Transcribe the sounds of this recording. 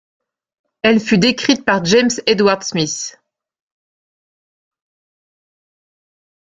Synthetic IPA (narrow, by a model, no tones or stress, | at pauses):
ɛlfyd̪ekχit̪̚paʁʒemsed̪waʁd̪smis